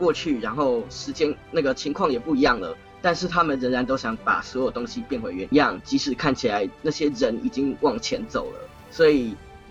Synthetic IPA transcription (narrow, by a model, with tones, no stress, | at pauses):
kwɔ˥˧t͡ɕʰy˥˩ɻa˧˥nxo˥˩ʊʂɻ̩˧˥t͡ɕjɛ˥nna˥˩ɡə˩t͡ɕʰi˧˥ŋkʰwɑ˥˨˩ŋjɛ˨˩pu˥˩i˧˦jɑ˥˩ŋlə̰˩ | t̪a˥˧nʂɻ̩˥˩t̪ʰa˦mə˨nɻə˧˥nɻa˧˦nt̪o˥ʊɕjɑ˧˥ŋpa̰˨˩swɔ˧˥jt̪o˥ŋɕi˨pjɛ˥˩nxwe˧ɪɥɛ˧˥njɑ˥˨˩ŋt͡ɕi˧˥ʂɻ̩˨˩kʰa˥˩nt͡ɕʰi˨la˧˦ɪna˥˩ɕjɛ˦˥ɻə˧˦nḭ˨˩t͡ɕi˦˥ŋwɑ˥˨˩ŋt͡ɕʰjɛ˧˦˥nt͡so˨˩ʊlə̰˦ | swɔ˧˥i˨˩